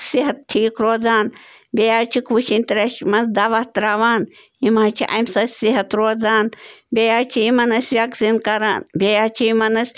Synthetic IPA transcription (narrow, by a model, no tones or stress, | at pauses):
siɦɐt̪̚tʰːiːkɾoːd͡zaːn | bʲejaːɾt͡ʃʰikʋuʃinʲt̪ɾɐʃmɐnzd̪aʋɐht̪ɾaːʋaːn | imaːt͡ʃʰiʔɐ̰msɐsʲsiɦɐt̪ɾoːd͡zaːnbʲejaːɾt͡ʃʰiimɐnɐsʲʋʲɐkzinkɐɾa̰ːnbʲejaːɾt͡ʃʰiimɐnɐsʲ